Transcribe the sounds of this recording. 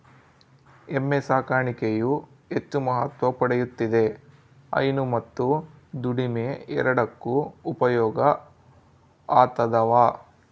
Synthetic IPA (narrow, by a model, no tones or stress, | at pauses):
emːesaːkaːɳikeju | et͡ʃːumɐɦɐt̪ʋɐpɐɽejut̪ːid̪e̞ | ɐ̰jnumɐt̪ːud̪uɽimeɛ̰ɾɐɽɐkːuːpɐjɔːɡɐ | aːt̪ɐd̪ɐʋaː